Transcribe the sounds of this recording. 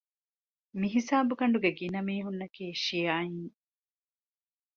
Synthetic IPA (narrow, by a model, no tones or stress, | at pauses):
miɦisaːbukɐɳɖuɡeɡinɐmiːɦunːɐkiːʃijaːjiŋ